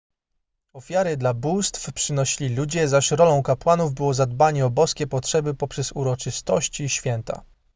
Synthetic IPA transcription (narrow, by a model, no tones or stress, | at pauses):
ɔfʲjaɾɘd̪labust̪fpʂɘnɔɕilʲilud͡ʑɛzaɕɾɔlɔ̃w̃kapwanuvbɘwɔzad̪baɲɛɔbɔskʲɛpɔtʂɛbɘpɔpʂɛzuɾɔt͡ʂɘst̪ɔɕt͡ɕiɕfʲjɛnt̪a̰